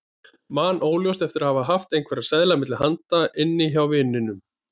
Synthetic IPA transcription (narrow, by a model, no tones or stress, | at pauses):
maːnoːwljowst̪ɛft̪ɪɾahavaðɦaft̪ejnkʰvɛɾaðsɛðlamɪt̪lɪhant̪aʔɪnːɪçawvɪːnːɪnʏm